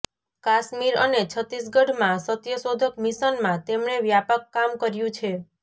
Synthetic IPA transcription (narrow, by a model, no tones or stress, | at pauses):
kaʃmiɾə̰net͡ʃʰət̪is̬ɡəɽ̤mãsət̪jəsod̪ʱəkmiʃənmãt̪emɳeʋjapəkːamkəɾjũt͡ʃʰe